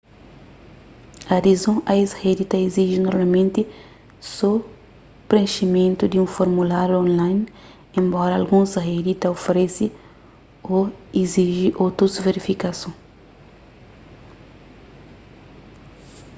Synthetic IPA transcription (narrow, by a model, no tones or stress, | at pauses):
ad̪izõʔaished̪it̪ɐiziʒinoɾmalmẽnt̪i | sɔ | pɾẽnʃimẽnt̪ud̪iũfoɾmulaɾjuõnlajn | ẽmbɔɾɐːlɡũsred̪it̪ɐofeɾesi | oiziʒiʔot̪ɾusveɾifikasõ